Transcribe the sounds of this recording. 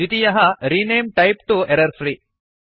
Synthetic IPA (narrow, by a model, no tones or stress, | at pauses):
it̪ijɐɦɐɾineːmʈɐjp̚ʈueɾɐɾfɾi